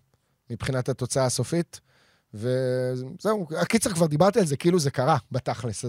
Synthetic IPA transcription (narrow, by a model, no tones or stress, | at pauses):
mipχinathat̪o̞t͡saaːso̞fit̪ | vezeuakit͡seʁkvaʁd̪ibaʁt̪ialze̞keiluzekaʁabat̪aχles